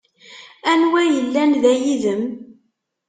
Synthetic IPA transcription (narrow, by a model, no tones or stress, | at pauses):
ænwæjəlːænðæjiðəm